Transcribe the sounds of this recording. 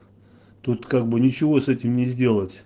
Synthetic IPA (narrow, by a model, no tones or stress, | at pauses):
t̪ut̪kaɡ̚bɨnʲɪt͡ɕɪvo̞sɛtʲɪmnʲɪzʲdʲe̞lˠətʲ